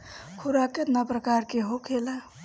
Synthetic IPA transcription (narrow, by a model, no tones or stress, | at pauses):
kʰuɾaket̪napɾəkaɾkeɦokʰela